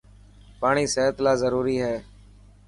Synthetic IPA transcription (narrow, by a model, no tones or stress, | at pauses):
paːɳiːseːət̪laːzəɾuːɾiːɦɛː